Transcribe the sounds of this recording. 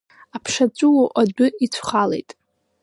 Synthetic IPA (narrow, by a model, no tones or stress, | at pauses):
apʰʂat͡ɕʷʼʊwoʔadʊit͡ɕʷʰχalḛjtʼ